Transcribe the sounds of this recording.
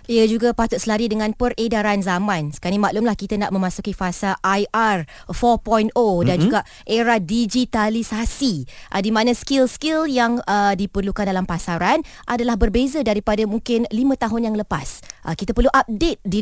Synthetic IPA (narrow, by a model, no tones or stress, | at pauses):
iəd͡ʒuɡapat̪ʊt̪̚səlaɾidəŋãnpəredaɾanzamãnsə̥kanimaʔlʊmlahkit̪ənaʔmə̃mãsukifasaʔajʔar | fɔpɔjnodand͡ʒuɡaʔ | ʔeɾadid͡ʒit̪alisasiʔədimãnãskilskɪljaŋədipərlukandalampasaɾanʔadalahbərbezadaɾipadamuŋkɪnlimə̃t̪aɦʊnjaŋləpasʔəkit̪apərluʔap̚det̪̚di